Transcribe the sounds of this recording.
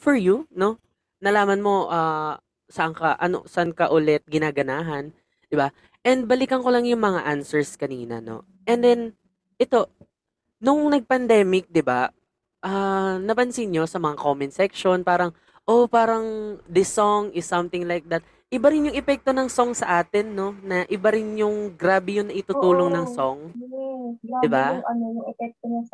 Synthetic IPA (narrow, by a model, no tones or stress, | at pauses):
fɔɹjuno̞ | nɐlaːmɐnmo̞ʔaː | sɐʔɐŋkɐʔɐ̰no̰sɐʔɐŋkɐʔʊlɛt̪̚ɡɪnaːɡɐnaːɦɐn | d̪̥ɪba | ʔɛnd̪̚bɐlɪkɐŋko̞lɐŋjʊŋmɐŋaʔansɛɹskɐniːnɐ̰no̞̰ | ʔɛnd̪ɛn | ʔɛt̪o̞ | nʊŋnɐɡ̚pɐnd̪ɛːmɪk̚d̪ɪba̰ | ʔanɐpɐnsɪnɲo̞sɐmɐŋako̞mɪnsɛk̚ʃo̞npaːɾɐŋ | ʔopaːɾɐŋd̪ɪsoŋɪsːɐmt̪ɪŋlajk̚d̪ɐt̪̚ | ʔɪbaɾɪnjʊŋɛpɛk̚t̪o̞nɐŋsoŋsɐʔaːt̪ɪnːo̞nɐʔɪbaɾɪnjʊŋɡɾaːbɛjʊnɐʔɪt̪ʊt̪uːlo̞ŋnɐŋsoŋ | d̪ɪbaʔɐnojʊŋɛpɛk̚t̪onɐ